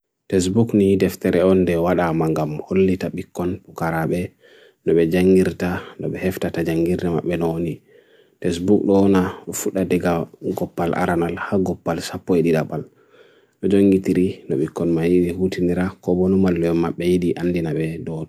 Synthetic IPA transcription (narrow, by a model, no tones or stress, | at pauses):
tɛs̬bukniidɛftɛɾɛɔndɛwaɗamaŋɡamholːitaɓikːɔnpukaɾaɓɛ | nɔɓɛd͡ʒaŋɡiɾtanɔɓɛhɛftatad͡ʒaŋɡiɾdɛma̰ɓːɛnɔwoni | tɛs̬bukɗɔnaɔfuɗadɛɡaɡɔpːalʔa̰ɾanalhaɡɔpːalsapːɔɛɗiɗaɓal | ɗɔd͡ʒoŋɡitiɾinɔɓikːɔnmajiɗihutʰiniɾakɔbonumalːɔɔmaɓːɛjiɗiʔanːdinabɛdɔ